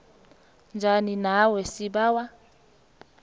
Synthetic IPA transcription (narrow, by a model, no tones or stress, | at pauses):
nd͡ʒʱaninawɛsiɓaːwa